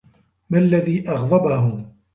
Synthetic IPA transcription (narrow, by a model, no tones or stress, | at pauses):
malːaðiːʔɑɣðˤɑbahʊ